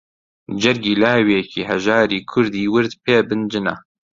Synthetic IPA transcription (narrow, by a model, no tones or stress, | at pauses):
d͡ʒɛɾɡiːlaːwiɛkʰiːɦɛʒaːɾiːkʰʊɾd̪iːwɨɾd̪pʰeːbɨnd͡ʒɨna̰ː